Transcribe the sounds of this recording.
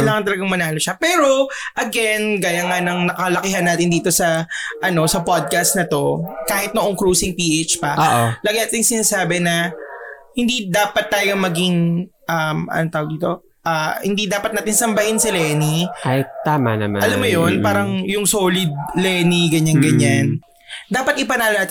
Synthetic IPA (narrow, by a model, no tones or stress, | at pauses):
kɐlaːŋɐnt̪ɐlɐɡɐŋmɐnaːloʃapɛːɾo̞ | ʔɐɡɛnɡaːjɐŋanɐŋnɐkɐlɐkɪɦɐnːaːt̪ɪnd̪iːt̪o̞sɐʔɐno̞sɐpod̪̚kɐst̪̚nɐt̪o̞kaːhɪt̪̚noʔoŋkɾuːsɪŋpiʔejt͡ʃpɐoʔolɐɡɐjat̪ɪŋsɪnaːsaːbɛnɐ | hɪnd̪id̪aːpɐt̪ːaːjomɐɡiŋʔɐmɐ̰not̪aːwɐɡd̪iːt̪o̞ | ʔaːhɪnd̪id̪aːpɐt̪̚naːt̪ɪnsɐmbɐhɪnsɪlɛːniat̪ːaːma̰nɐ̰ma̰ʔɐlamːojonppaːɾɐŋjʊŋsoːlɪd̪̚lɛniɡɐɲanɡɐɲan | d̪aːpɐt̪ʔɪpɐnaːlɐnaːt̪